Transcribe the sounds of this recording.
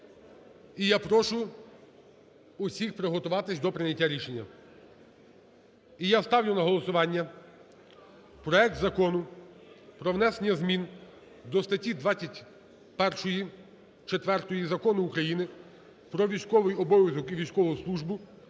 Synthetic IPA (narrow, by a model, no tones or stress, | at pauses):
ijapɾɔʃʊ | ʊsʲixpɾɪɦɔt̪ʊʋɑt̪ɪsʲd̪ɔpɾɪnʲɐtʲːaɾʲiʃenʲːɐ | ijast̪ɑwnʲʊnɐɦɔlˠɔsʊʋɑnʲːɐ | pɾɔɛk̚t̪zɐkɔnʊ | pɾɔʋnɛsenʲːɐzmʲin | d̪ɔst̪ɐtʲid̪ʋɑtt͡sʲːɐtʲ | pɛrʃɔji | t͡ʃet̪ʋɛrt̪ɔjizɐkɔnʊːkɾɐjinɪ | pɾɔʋʲijsʲkɔʋɪjɔbɔʋʲjɐzɔkiʋʲijskɔlˠɔʊslˠuʒbʊ